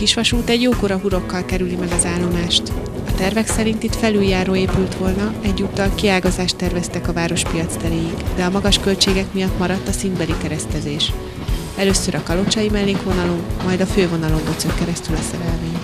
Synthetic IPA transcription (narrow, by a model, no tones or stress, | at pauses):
kiʃʋɒʃuːt̪ɛɟjoːkoɾɒɦuɾo̞kːɒlkɛɾylimɛɡɒzaːlːo̞maːʃt̪ | ɒt̪ɛrvɛksɛɾint̪it̪fɛlyljaːɾoːeːpylt̪ʋo̞lnɒɛɟːuːt̪ːɒlkiaːlɡɒzaːʃt̪ːɛrvɛst̪ɛkɒvaːɾo̞ʃpijɒt̪st̪ɛɾeːjiɡd̪ɛɒmɒɡɒʃkø̞lt͡ʃeːɡɛkmijɒt̪ːmɒɾɒt̪ːɒsind̪bɛlikɛɾɛst̪ɛzeːʃ | ɛløsːøɾʔɒkɒlo̞t͡ʃɒjimɛlːeːkʋo̞nɒlo̞mːɒjd̪ɒføːvo̞nɒlo̞mdot̪søkːɛɾɛst̪ylɛsɛɾɛlveːɲ